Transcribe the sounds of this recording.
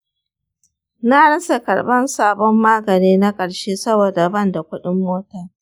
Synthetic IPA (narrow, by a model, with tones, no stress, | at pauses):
na˦nɐ˦sa˨kɐ̰˨ɽbɐ˦nsaː˦bɔ˦mːaː˦ɡɐ˨niː˦na˦kʼɐ˨ɽʃeː˦sɐ˦boː˨da˨bɐ˦˨nda˨kʷʊ˦ɗɪ˦mːoː˦tɐ˨